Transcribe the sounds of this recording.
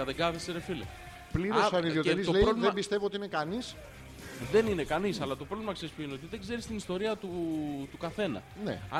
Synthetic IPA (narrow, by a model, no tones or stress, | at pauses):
ɐðeɡɐθeseɾefilḛ | pliɾosfɐniðiot̪iɾizt̪oleɾovlðebist̪e̞vio̞t̪iinekɐnis | ðe̞ninekɐnisɐlɐt̪o̞pɾo̞vlimɐksespuineot̪iðe̞ɡze̞ɾist̪inist̪o̞ɾiɐt̪ut̪ukɐθe̞nɐ̰nḛɐ